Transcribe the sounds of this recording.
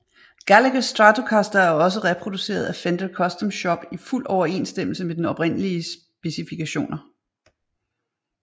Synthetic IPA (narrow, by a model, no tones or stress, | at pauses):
ɡ̥æləɡ̥sd̥ʁɑt͡sʰo̝kʰɑsd̥ɐæɐɒ̽s̬əʁɛpʰʁo̝d̥use̝̰ːɐð̞ˠæfend̥əlkʰɒ̽sd̥ɔ̽mɕɒ̽b̥iful̰ɒʊɐe̝̰nsd̥em̰l̩səmed̥enɒ̽pʁen̰əliəs | b̥e̝sifikʰæɕo̝̰ːnɐ